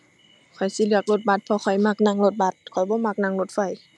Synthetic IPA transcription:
kʰɔ˨˩jsi˧˦lɯ˧˩ək̚lo˧t̪̚ba˧˥t̪̚pʰɔ˧kʰɔ˨˩jma˧˩k̚na˧˨ŋlo˧˩t̪̚ba˧˦t̪̚kʰɔ˨˩jbɔː˧˦˨ma˧˥k̚na˧˥ŋlo˧t̪̚fa˧˩j

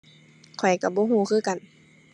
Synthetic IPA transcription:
kʰɔ˨˩jka˧˩bɔː˧˦ɦuː˧˩˦kʰɯː˧˨ka˨n

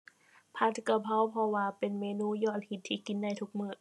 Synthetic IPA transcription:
pʰa˧˦˥t̪ʰka˧˩pʰa˧˥˨wpʰɔ˧waː˧pe˨nmeː˧˥nuː˧˥˨jɔː˧˩t̪̚hi˨˧˩t̪ʰːiː˧˩˨ki˨nda˧˩˨jt̪ʰu˧˥k̚mɯː˧˩

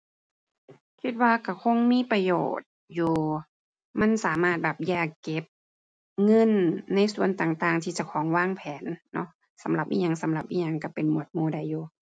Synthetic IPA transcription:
kʰi˧t̪̚waː˧ka˧˩kʰo˧˥˨ŋmiː˧˥˨pa˧jo̰ː˨˩t̪̚juː˧ | ma˧˥˨nsaː˨˦maː˧˩t̪̚bɛː˨˩p̚jaː˧˩kːe˧˦p̚ | ŋɤ˧˥˨nːa˧˥˨jsu˧˨ənt̪aː˨˩ŋt̪aː˨˩ŋt̪ʰiː˧t͡ɕa˧˩kʰɔː˨˦ŋwaː˧˥˨ŋpʰɛː˨˦nːɔ˧˥ | sa˨˦mla˨˧˦p̚ʔḭː˧˩ɲa˧˥˨ŋsa˨˦mla˨˧˩p̚ʔiː˧ɲa˧˨ŋka˧˩pe˨nmu˨˩ət̪̚muː˧˩da˧˩jːuː˨˩

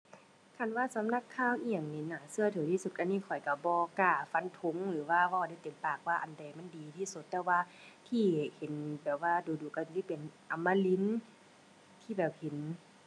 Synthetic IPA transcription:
kʰa˧˩nwaː˧˨sa˨˦mna˧˩˨kʰːaː˧˥˨wʔi˧ja˨ŋniː˧˨naː˨˩sɯ˧ɐ˨t̪ʰɤː˨˦t̪ʰiː˧su˧t̪̚ka˧˨niː˧˥˨kʰɔ˨˩jka˧˩bɔː˧˦kaː˧˩fa˧˥nt̪ʰo˧˦ŋlɯː˨˦waː˧˨waː˧˨da˧˩jt̪e˨˦mpaː˨˩k̚waː˧˨ʔa˨˩nda˨˩jma˧˥˨ndiː˨˦t̪ʰiː˧˩su˧˩t̪ːɛː˧waː˧˨t̪ʰiː˧˩˨he˨˦nbɛː˨˩p̚waː˧˥˨duː˨˦duː˨˦ka˧˩˧si˧˦˨pe˨nʔa˨˦mːaː˧˨li˧˦n | t̪ʰiː˧˩bɛː˨˩p̚he˨˦n

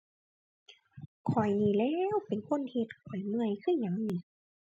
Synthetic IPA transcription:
kʰɔ˨˩jniː˧˩lɛː˧˥˧wpe˨nkʰo˧˥˨nhe˧t̪̚kʰɔ˨˩jmɯ˧˩əjkʰɯː˧˥˩ɲa˧˩˦ŋni˧˩˦

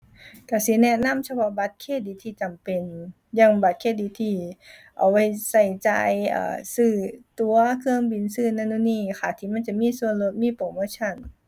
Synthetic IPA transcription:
ka˧˩si˧˦nɛ˧na˧˥˨msʰa˧pʰɔ˧ba˧˦t̪̚kʰeː˧˥˨diː˨˦t̪ʰiː˧˩t͡ɕa˨mpe˨n | jaː˧˩˨ŋba˧˦t̪̚kʰeː˧˥˨diː˧˦t̪ʰiː˧˩ʔa̰˨˩wa˧˩jsa˧˩jt͡ɕa̰ː˧jʔa̰ː˧˩sɯː˧˩t̪u˧˦ɐkʰɯ˧ə˨ŋbi˨nsɯː˧˨na˧˩˨nu˧˨niː˧˩kʰaː˧˩t̪ʰiː˧˩ma˧˥˨nt͡ɕa˧˨miː˧˥˨su˧˨ənlo˧˦t̪̚miː˧˥˨poː˨˧˦moː˧˥˨t͡ɕʰa˧˥˨n

